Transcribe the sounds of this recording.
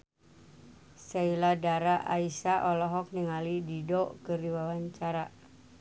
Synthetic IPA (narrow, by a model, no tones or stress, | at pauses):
sailadaɾaʔa̰isaʔɔlɔɦɔk̚niŋalididɔkəɾiwawaɲt͡ʃaɾa